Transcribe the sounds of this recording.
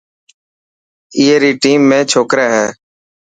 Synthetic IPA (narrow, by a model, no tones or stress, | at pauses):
iːeːɾiːʈiːmːẽːt͡ʃʰoːkɾɛːɦɛː